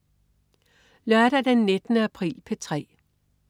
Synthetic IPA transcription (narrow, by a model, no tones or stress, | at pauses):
lɶɐɾ̥æd̥enːe̝d̥ənəæpʰʁḭːlpʰet͡sʰʁɛ̰ː